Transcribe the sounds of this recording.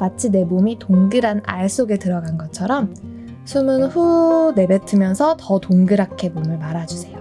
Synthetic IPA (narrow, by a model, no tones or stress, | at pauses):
mat͡ɕʰine̞momitoŋɡɯɾana̰ɭs͈oɡe̞tɯɾʌɡanɡʌt͡ɕʰʌɾʌm | sʰumɯnɸune̞betʰɯmjʌnsʰʌtʌtoŋɡɯɾakʰe̞momɯɭmaɾad͡ʑusʰe̞jo